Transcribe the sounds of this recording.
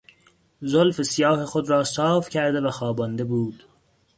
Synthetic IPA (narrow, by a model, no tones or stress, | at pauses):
zolfesijɒːhexod̪ɾɒːsɒːfcʰæɾd̪evæxɒːbɒnd̪e̞buːd̪̥